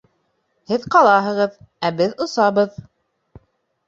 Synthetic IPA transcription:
hɘðqɑlˠɑɦɤ̆ʁɤð | æbɘðŏsɑβɤð

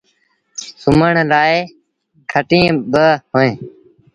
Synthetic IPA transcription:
sʊməɳɾaːeː | kʰəʈĩːbəɦoːẽː

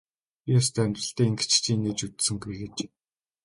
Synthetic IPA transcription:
iɔst̪ʰæmʲt̪rə̆ɬt̪eːiŋɡɘ̆t͡ɕt͡ɕʰiːneːt͡ɕut̪sɘ̆ŋɡiɡet͡ɕ

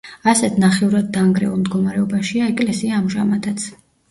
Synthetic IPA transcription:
asɛt̪ʰnaχɛuɾad̪̚ːaːŋɡɾɛ̰ulˠmd̪ɡɔmaɾɛɔbaʃiaɛkʼlɛsiaːmʒamad̪at̪sʰ

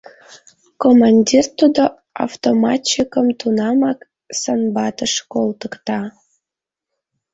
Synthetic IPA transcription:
komɑnʲdʲirt̪ud̪o | a̰wt̪omɑt͡ɕikəmt̪unɑmɑk | sənbɑt̪əʃkolt̪əkt̪ɑ

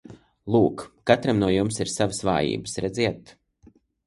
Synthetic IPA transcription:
lˠuːkkat̪ɾamnuɔjumsiɾsavəsva̰ːjḭːbəsɾɛd̪ziɛt̪

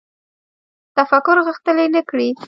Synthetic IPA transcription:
t̪afakʊɾɣəxt̪əlenəkɽi

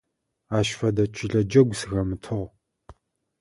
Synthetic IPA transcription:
aːʃfɐdɐt͡ʃʼʰɪɮɐd͡ʒɐɡʷsɨɣɐmɨtʰɨʁ

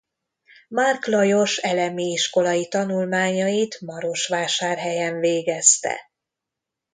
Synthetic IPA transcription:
marklɒjo̞ʃɛlɛmiiʃko̞lɒjit̪ɒnulmaːɲɒjit̪mɒɾo̞ʃʋaːʃaːrɦɛjɛɱveːɡɛst̪ɛ̰

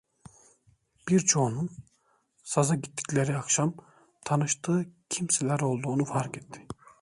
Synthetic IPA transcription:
b̥iɾt͡ʃʰo̞ːnun | sazaɟit̪ːi̥cʲlʲeɾiakʃam | t̪ʰanɯʃt̪ʰɯːcʰimselʲæɾo̞lˠd̪uːnufaɾket̪ʰːi̥

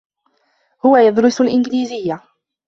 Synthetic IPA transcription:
hʊwajad̪ɾʊsalʔɪnɡliːzɪjːa

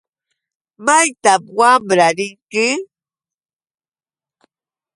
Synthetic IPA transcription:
majt̪apwambɾaɾiŋki

